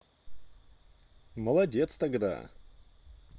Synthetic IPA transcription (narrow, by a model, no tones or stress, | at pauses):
məlˠɐdʲet̪st̪ɐɡd̪a̰